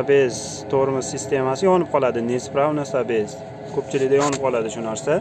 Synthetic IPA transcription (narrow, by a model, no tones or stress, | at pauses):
abez | t̪ʰoʁɾɪmɪzsɪst̪e̞masɪjɒnɪp̚qʰɒlˠad̪ɪnespɾawnasabez | kʰɵpt͡ʃʰɪlɪɡʲd̪ajɒnɪp̚qʰɒlˠad̪ɪʃʊnaɾsa